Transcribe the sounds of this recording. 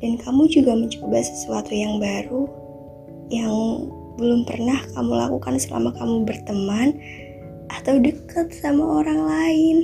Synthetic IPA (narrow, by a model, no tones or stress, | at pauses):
d̥ankamud͡ʒuɡaməɲt͡ʃobasə̥suat̪ujaŋbaɾu | jaŋ | bəlʊmpə̰rnahkamula̰kukansəla̰makamubərt̪əman | ʔat̪awdəkət̪̚samaoɾaŋlaɪn